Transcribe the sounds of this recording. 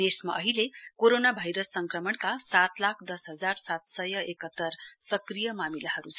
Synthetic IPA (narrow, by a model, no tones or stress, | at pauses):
d̪esma̰ʔʌɦilekoɾonabʱajɾʌsːʌŋkrʌmʌɳkasat̪lakʰd̪ʌsɦʌd͡zarsat̪sʌjʌʔekʌt̪ːʌrsʌkrijʌmamilaɦʌɾut͡sʰ